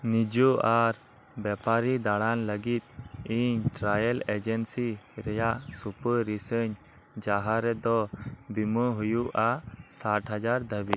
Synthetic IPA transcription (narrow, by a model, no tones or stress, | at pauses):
nid͡ʒuʔaɾ | bɛpaɾid̪aɽanləɡit̪̚iɲʈɾajəlɛd͡ʒɛnsiɾɛjaʔsupəːisəɲ | d͡ʒaɦaɾɛd̪ɔbiməɦujuʔasaʈɦad͡ʒaɾd̪ʱəbit̪̚